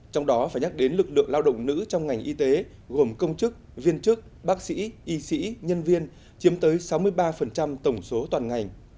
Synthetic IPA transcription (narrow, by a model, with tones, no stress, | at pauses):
t͡ɕɔ˧wŋ͡mɗɔ˨˦faː˧˩jɲa˦˥k̚ɗe˨˦nlɨ˨˩k̚lɨ̰˧˨əŋlaː˧wɗə̰˧˨wŋ͡mnɨ̰˧˥t͡ɕɔ˧wŋ͡mŋa˨˩jŋ̟ʔi˧t̪e˨˦ | ɣo˨˩mkə˧wŋ͡mt͡ɕɨ˦˥k̚vi˧ənt͡ɕɨ˦˥k̚ | ɓaː˦˥k̚sḭ˧˥ʔi˨˧sḭ˧˥ɲə˧nvi˧ən | t͡ɕi˨˦əmt̪əː˨˦jsa˨˦wmɨ˧əjɓaː˧fə˨˩nt͡ɕa˧mt̪ə˧˩wŋ͡mso˨˦t̪waː˨˩nŋa˨˩jŋ̟